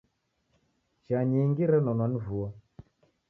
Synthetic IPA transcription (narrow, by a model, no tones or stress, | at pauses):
t͡ʃaɲiŋɡiɾɛnɔnwanivuɔ